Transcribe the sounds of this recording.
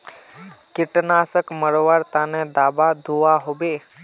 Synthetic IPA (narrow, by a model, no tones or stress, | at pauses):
kɪʈnasəkməɽʋaɾt̪aned̪aːbad̪ʱuaɦobe